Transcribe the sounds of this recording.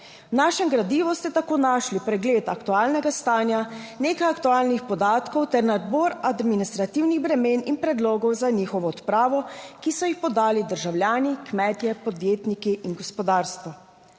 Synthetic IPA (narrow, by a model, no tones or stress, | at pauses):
wnaːʃɛmɡɾad̪iʋɔst̪ɛt̪akoːnaːʃlipɾɛɡleːt̪akt̪uaːlnɛɡast̪aːnjaneːkajakt̪uaːlnixpɔd̪aːt̪kɔwt̪ɛɾnad̪̚bɔːɾad̪minist̪ɾat̪iwniɣbɾɛmeːninpɾɛd̪loːɡɔwzaniːxɔʋɔɔt̪pɾaːʋɔkisɔjixpɔd̪aːlid̪əɾʒawljaːnikmɛːt̪jɛpɔd̪jeːt̪nikiʔinɡɔspɔd̪aːɾst̪ʋɔ